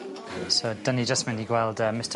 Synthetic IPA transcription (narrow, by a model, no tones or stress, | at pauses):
sod̥ənid͡ʒəstmɛniɡwɛlˠdəːmɪstʰə